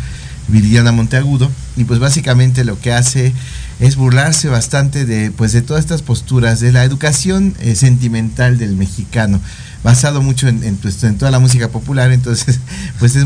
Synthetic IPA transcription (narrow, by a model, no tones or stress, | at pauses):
βilanamo̞nt̪eaɣuðo̞ | ipwe̞zβas̬ikamẽnt̪̬e̞loke̞ase̞ | ezβuɾlaɾse̞βast̪ant̪e̞ðepwe̞zðet̪o̞ðaset̪aspo̞st̪uɾasðelaeðukasjo̞nse̞nt̪̬imẽ̞nt̪ald̪e̞lme̞xikano̞ | βasað̞o̞mut͡ʃo̞enenwest̪oent̪o̞ðalamus̬ikapo̞pulaɾent̪̬o̞nse̞spwe̞s̬ez